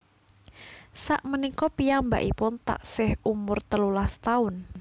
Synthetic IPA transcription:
sa̰ʔmənikɔpijaŋmba̰ʔipʊnt̪a̰ʔsɪhumʊrt̪əlulast̪aʊn

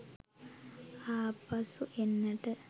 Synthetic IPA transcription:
aːpɐsuʔenːəʈə

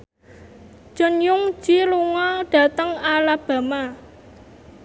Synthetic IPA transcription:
d͡ʒ̥ə̤njʊŋ̥d͡ʒ̥iluŋɔɖ̥ä̤t̪əŋalab̥a̤ma

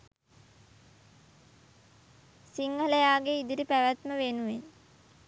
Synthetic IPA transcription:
siŋɡələjaːɡeid̪iɾipæʋæt̪məʋenuʋen

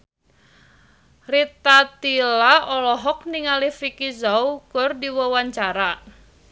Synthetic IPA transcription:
rit̪at̪ilaɔlɔɦɔk̚niŋalifikizaukʊrdiwɔwaɲt͡ʃaɾa

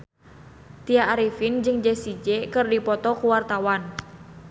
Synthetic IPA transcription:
t̪iaaɾifind͡ʒɨŋd͡ʒɛsid͡ʒɛkɨrdipɔt̪ɔkuwart̪awan

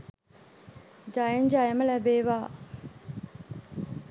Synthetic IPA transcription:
d͡ʒajɪ̃nd͡ʒajamalɛbeba

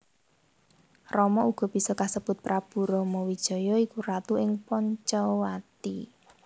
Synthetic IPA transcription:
rɔmɔuɡ̥ɔ̤b̥i̤sɔkasəb̥ʊt̪̚pɾab̥ṳɾɔmɔwid̥ʒ̥ɔ̤jɔikuɾat̪uɪŋpɔɲt͡ʃɔwat̪ḭ

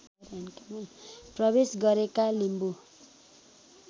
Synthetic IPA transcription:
ɾankamanprʌbesɡʌɾekalimbu

